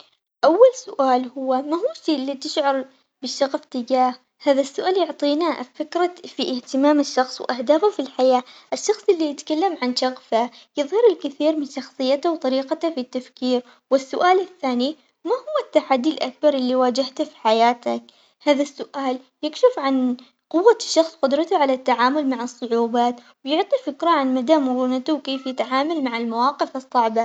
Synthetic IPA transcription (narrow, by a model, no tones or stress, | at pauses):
ʔawːalsʊʔaːlhʊwːamaɦuːʃiːʔlːit̪ɪʃʕɑɾˤ | bɪʃːɑɣft̪ɪd͡ʒaːh | haːðasːʊʔaːljʊʕt̪ˤiːnafɪkɾˤɑfiʔɪht̪ɪmaːmɪʃːɑxsˤwʔahd̪aːfafilħajaːʔɪʃːɑxsˤʔɪlːijɪt̪kalːamʕanʃɑɣfajɨðˤhɑɾɪlkɪθiːɾmɪnʃɑxsˤɨjːat̪awt̪ˤɑɾiːqat̪afit̪ːafkiːɾ | wɪsːʊʔaːlɪθːaːni | mahʊwːat̪ːaħad̪ːilʔak̚bɑɾˤʔɪlːiwaːd͡ʒaht̪fi̥ħajaːt̪ak̚ | haːðasːʊʔaːl | jɪkʃɪfʕan | qʊwːaʃːɑxsˤqʊd̪ɾˤɑt̪aʕalat̪ːaʕaːmʊlmaʕɨsˤːʊʕuːbaːt̪ | wjʊʕt̪ˤifɪkɾaʕanmad̪amʊɾˤuːnat̪ʊwkeːfjɪt̪ʕaːmalmaʕɪlmawɑːqɪfɨsˤːɑʕba